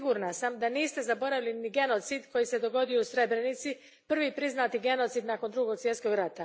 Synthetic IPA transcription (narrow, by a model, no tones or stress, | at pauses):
ɡuɾnasamd̪aniːst̪e̞zabo̞ɾaviliniɡe̞no̞t̪siːd̪ko̞jise̞d̪o̞ɡo̞d̪ijousɾe̞bɾe̞nit̪si | pr̩ʋiːpɾiznaːt̪iɡe̞no̞t̪sid̪naːko̞nd̪ɾuɡo̞ɡsje̞t̪sko̞ɡɾat̪a